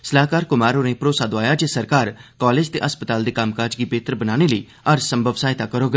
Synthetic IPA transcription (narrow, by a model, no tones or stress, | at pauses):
səlaːkaːɾkʊmaːɾoːnẽːpɾoːsaːd̪oaːjaːd͡ʒeːsəɾkaːɾkaːleːd͡ʒt̪ḛːʔəspət̪aːld̪eːkəmkaːd͡ʒɡiːbeːt̪əɾbənaːneːləiː | əɾsəmbʱəʋsaːɪt̪aːkəɾoːɡ